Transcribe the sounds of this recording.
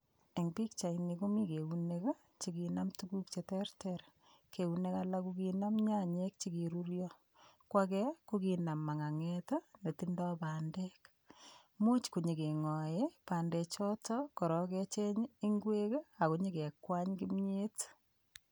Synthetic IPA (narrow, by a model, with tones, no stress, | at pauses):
e˨ŋpi˦k̚t͡ʃa˨iniku˦mi˦ke˨unek | t͡ʃi˨kina˦mtuku˦kt͡ʃetɛrteɾ | kʰe˨u˨ne˦ka˦lakukina˦mɲa˦ɲek̚t͡ʃi˦kiɾuɾjɔ | kwakɛ˦ku˦kina˨mːa˨ŋa˨ŋeta˦ne˨tindɔ˦paːndek | mu˦t͡ʃku˨ɲi˨ke˨ŋɔ˨jepa˨nde˨t͡ʃɔ˦tɔkɔ˨ɾɔ˦ket͡ʃe˦ɲi˦ŋɡwe˦ka˨ku˨ɲi˦ke˨kwa˦ɲkɪ˦mɲe˦t